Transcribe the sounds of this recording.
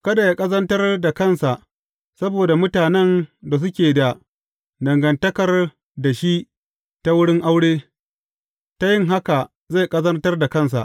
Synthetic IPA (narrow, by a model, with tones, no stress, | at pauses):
kɐ˦da˨jaː˦kʼɐ˦zɐ˦ntɐ˦rda˨kɐ˦˨nsa˨ʔ | sɐ˦boː˨da˨mʊ˦taː˨nɛ˦nda˨s̬ʊ˦kʲeː˨da˨ | dɐ˨ŋɡɐ˨ntɐ˦kɐ˨r | da˨ʃi˦ʔ | ta˦wʊ˦ɽɪ˦ŋʔa˦wɽeː˦ | ta˦jɪ˦ŋɦa˦ka˨ | za˦˨kʼɐ˦zɐ˦ntɐ˦rda˨kɐ˦˨ns̬a̰˨ʔ